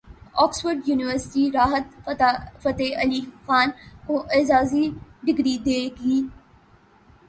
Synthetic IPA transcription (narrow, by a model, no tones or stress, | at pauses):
ɔːksfəɾɖjuːnɪʋəɾsɪ̥ʈiɾaːɦət̪ːfɐt̪eʔɐliːxaːnkõːʔɪːzaːziɖɪɡɾid̪eːɡiː